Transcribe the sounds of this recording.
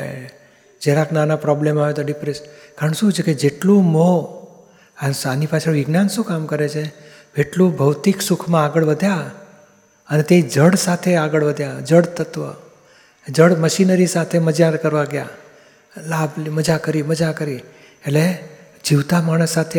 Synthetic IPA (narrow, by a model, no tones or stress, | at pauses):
d͡ʒeɾaknanapɾɔblemaʋet̪oɖipɾeʃənkaɾəɳʃũt͡ʃʰeked͡ʒeʈlũmo | asanipat͡ʃʰəʋɪɡnansũkamkəɾet͡ʃʰe | ʋeʈlũbʱəʋt̪iksukʰmãaɡəɭʋəd̪ʱja | ənet̪ed͡ʒəɽsat̪ʰeaɡəɭʋəd̪ʱjad͡ʒəɽt̪ət̪ʋə̰ | d͡ʒəɽməʃinəɾisat̪ʰeməd͡ʒaɾkəɾʋaɡja̰ | lablməd͡ʒakəɾiməd͡ʒakəɾi | ele | d͡ʒiʋt̪amaɽ̃əsːat̪ʰe